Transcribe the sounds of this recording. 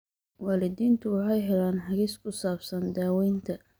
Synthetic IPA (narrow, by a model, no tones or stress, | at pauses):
waːlɪd̪iːnt̪ʰʊwɑħɑjɦɛlaːnħɑɣiːskʰʊsaːbsɐnd̪aːwɛjnt̪ʰɐ